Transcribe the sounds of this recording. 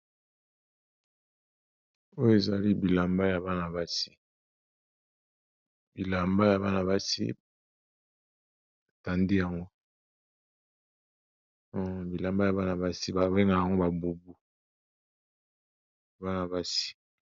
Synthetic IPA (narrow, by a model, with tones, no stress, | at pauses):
o˦jo˦e˨za˨li˦bi˨la˨mba˦ja˨ba˦na˨ba˦si̥˦ | bi˨la˨mba˦ja˨βa˦na˨βa˦sḭ˦ | a˨ta˨ndi˦ja˨ŋɡo˦˨ | bi˨la˨mba˦ja˨βa˦na˨ba˦si˦ba˨be˦ŋa˨ja˨ŋɡo˦ba˨bu˨bu˨ | ba˦na˨ba˦si̥˦